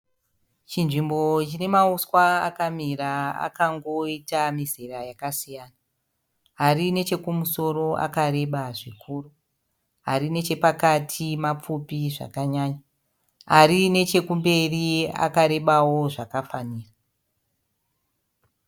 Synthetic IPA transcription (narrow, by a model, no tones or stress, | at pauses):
t͡ʃinʐimbo̞t͡ʃine̞mauskwaa̰kamiraa̰kaŋɡo̞itamizerajakasijana | ɦarine̞t͡ʃe̞kumuso̞ɾo̞a̰kaɾe̞ɓaʐikʰuːru | ɦa̰ɾine̞t͡ʃe̞pakatʰimap͡fupiʐa̰kaɲaːɲa | arine̞t͡ʃe̞kumbe̞ria̰kaɾe̞ɓawo̞ʐakafaniːra